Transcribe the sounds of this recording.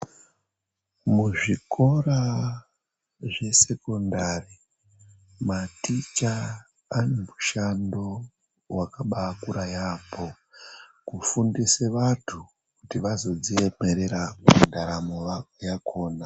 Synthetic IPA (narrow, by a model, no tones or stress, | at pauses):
muʐiko̞ra | ʐe̞se̞ko̞ndari | matit͡ʃaː | nemuʃando̞ | wakaɓakuɾajaːpʰo̞ | kufundiseʋatʰu | kutiʋazo̞d͡zieme̞ɾe̞ɾakndaɾamoʋajakʰo̞ːna